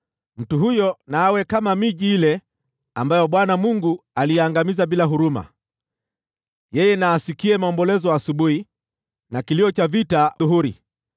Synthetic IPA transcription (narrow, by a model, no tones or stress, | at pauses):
m̩tuɦujɔnaːwɛkamamiʄiilɛ | ambajɔɓwanamuŋɡualijɛaŋɡamizaɓilaɦuɾuma̰ | jɛjɛnaːsikiɛmaɔmbɔlɛzɔaːsuɓuhi | nakiliɔt͡ʃavitauɦuɾi